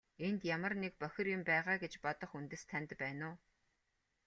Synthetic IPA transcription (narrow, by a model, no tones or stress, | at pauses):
ent̪jamə̆rnek̚pœxʲɪ̆rjʊmpæːʁaːɡet͡ɕpɔt̪ɞ̆χunt̪ɘ̆st̪ʰænʲt̪pæːnʊː